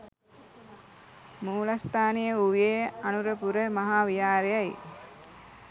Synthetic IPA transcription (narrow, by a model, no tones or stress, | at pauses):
muːlast̪aːnijəuʋeːanuɾəpuɾəmaɦaːʋijaːɾejaj